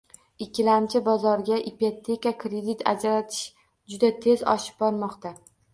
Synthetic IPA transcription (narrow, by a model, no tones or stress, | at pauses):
ɪkʲʰːɪlamt͡ʃʰɪbɒzɒɾɡʲaʔipot̪ʰːe̞kakɾed̪it̪a̰d͡ʒɾat̪ʰɪ̥ʃ | d͡ʒʊd̪at̪ʰe̞zɒ̰ʃɪ̥b̚bɒɾmɒqt̪a